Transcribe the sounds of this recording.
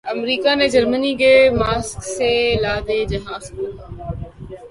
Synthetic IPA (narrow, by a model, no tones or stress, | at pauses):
əmɾiːkanẽd͡ʒəɾməniɡemaːskselaːd̪eːd͡ʒɐɦãːzku